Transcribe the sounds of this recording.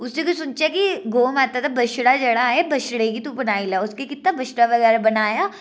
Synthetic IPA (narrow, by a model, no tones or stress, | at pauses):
ʊsekʊt͡ʃsʊnt͡ʃakiɡoːmaːt̪at̪ʰabɐʃɽad͡ʒɐɽaɦebɐʃɽekit̪ũbɐnaːilaʊskekɪt̪nabʱɐʃɽaʋɐɣɛːɾabɐnaːjaː